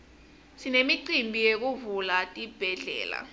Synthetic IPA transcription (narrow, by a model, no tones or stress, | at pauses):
sinemiǀimbʱijek̬uvulatʼib̥ʱɛɮɛ̰ːla̰